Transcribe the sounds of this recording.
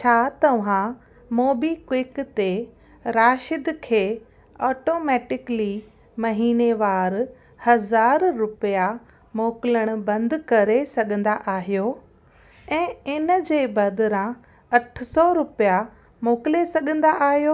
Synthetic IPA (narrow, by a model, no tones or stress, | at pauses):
t͡ɕʰaːt̪ɐʋ̤ã | moːbikwɪkt̪e | ɾaːʃɪd̪kʰeː | ɔːʈoːmɛːʈɪkli | mɐɦiːneʋaːɾ | hɐzaːɾːʊpja | moːkɪləɽ̃ʊ̆bɐ̃nd̪kɐɾesɐɠʱə̃nd̪aʔaːɦijo | ɛ̃ːɪnəd͡ʑeːbɐd̪ɾã | ɐʈʰsɔɾʊpija | moːkɪlesɐɠə̃nd̪aʔaːɦijoː